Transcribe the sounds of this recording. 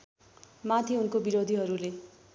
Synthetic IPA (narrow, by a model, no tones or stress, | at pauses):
mat̪ʰiunkobiɾod̪ʱiɦʌɾule